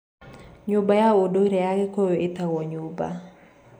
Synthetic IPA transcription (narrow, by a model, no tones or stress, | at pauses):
ɲʊbajaodoiɾɛjakekojoet̪awɔɲoba̰